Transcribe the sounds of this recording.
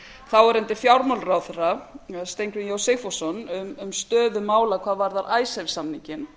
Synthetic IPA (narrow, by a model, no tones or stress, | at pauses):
θawɛɾɛnt̪ɪfjawɾmalrawθɛrast̪ejŋkɾɪnjowsejfɔsɔnʏmʏmst̪œːðʏmaːwlakʰvaːðvaɾðaɾʔaːjsajvsamniɲcɪn